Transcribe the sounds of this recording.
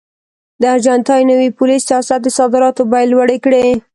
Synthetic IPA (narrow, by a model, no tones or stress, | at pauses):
d̪əaɾʒant̪ɑjnəwipʊlisijɑsat̪̚d̪əsɑd̪ɪɾɑt̪obajlwaɽekɽe